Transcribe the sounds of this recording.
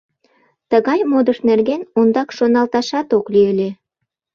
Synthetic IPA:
t̪əɣɑjmod̪əʃnerɣenund̪ɑkʃonɑlt̪ɑʃɑt̪oklyelʲe

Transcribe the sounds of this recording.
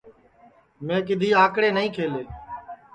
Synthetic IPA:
mẽːkɪd̪ʱiːaːkɽeːnəĩːkʰeːleː

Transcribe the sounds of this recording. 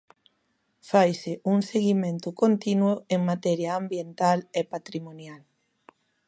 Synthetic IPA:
fajsɪuŋseɣimẽnt̪ʊkont̪inwʊeŋmat̪ɛɾjɐambjent̪alepat̪ɾimonjal

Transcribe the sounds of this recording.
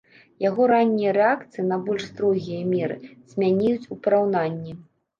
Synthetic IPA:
jaɣɔɾanʲːijɐɾɛakt̪sɨjinɐbɔlʲʂst̪ɾɔɣʲijɐmʲɛɾɨ̰z̥ʲmʲanʲɛjut͡sʲupɐɾawnanʲːɛ

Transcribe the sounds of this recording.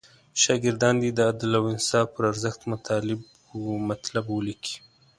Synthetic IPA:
ʃɑɡɪɾd̪ɑnd̪id̪əab̚d̪ɪlawɪnsɑfpəɾaɾzəxt̪mʊt̪ʰɑlɪb | mat̪labwəlikʰi̥

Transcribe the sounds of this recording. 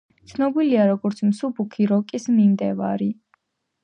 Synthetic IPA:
t̪sʰnɔbiliaɾɔɡɔɾt̪sʰmsubukʰiɾɔkʼismimd̪ɛva̰ɾi

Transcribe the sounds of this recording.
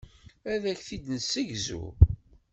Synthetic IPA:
æðæçθid̪nəsːəʝzṵ

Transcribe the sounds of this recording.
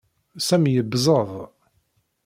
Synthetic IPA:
sæmjəbzˤəðˤ

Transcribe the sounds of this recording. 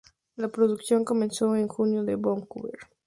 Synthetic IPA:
lapɾoðuksjoŋkomẽnsoeŋxunjoðeβoŋkuβeɾ

